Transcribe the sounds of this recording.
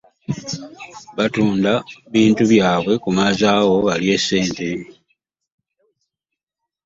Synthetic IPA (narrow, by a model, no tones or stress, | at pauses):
βatuːndaβiːntuβjaːβwe̞kumaːzaːɣo̞βalie̞sːe̞ːnte̞